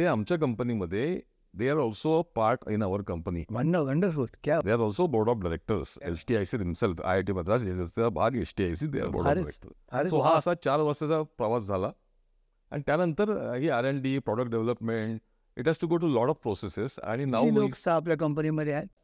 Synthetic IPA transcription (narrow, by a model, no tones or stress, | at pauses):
t̪eamt͡ɕjak̬əmpəniməd̪ʱːje | d̪eaɾɔlsopaɾʈḭ̃naʋəɾkə̃mpənḭʋəɳɖəʋəɳɖəɾfot̪kjad̪eaɾɔlsoboɾɖɔfɖaɾek̚ʈəɾsḛt͡ʃʈiajsiɦimselfa̰ʈ̬ibəd̪ɾaselət͡sabʱa̰ɡḛt͡ʃʈiajs̬id̪ḛa̰ɾbo̰ɾ̰ɾɾḛkʈə̰ɾɾesoɦãːsat͡ɕaɾʋəɾsət͡sapɾəʋasd͡zʱala | ɛ̰̃nt̪janənt̪əɾɦiaɾeɳɖipɾɔɖəkʈɖeʋeləpmẽɳʈ | iʈɦæsʈuɡoʈulɔʈɔfpɾosesesa̰ñinawoksaːpljak̬əmpəniməd̪ʱːea